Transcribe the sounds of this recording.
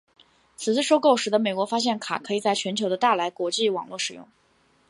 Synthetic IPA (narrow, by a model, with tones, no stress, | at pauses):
t͡sʰɹ̩˨˩t͡sɹ̩˥˧ʂo˥ʊko˥˩ʊʂɻ̩˨˩d̪ə˧me˨˩ɪkwɔ˧˥fa˥ɕjɛ˥˩nkʰa̰˨˩kʰɤ˧˥i˨˩t͡sa˥˩ɪt͡ɕʰɥɛ˧˥nt͡ɕʰo˧˥d̪ə˧t̪a˥˩la˧˥ɪkwɔ˧˥t͡ɕi˥˩wɑ̰˨˩ŋlwɔ˥˩ʂɻ̩˨˩jʊ̰˥˩ŋ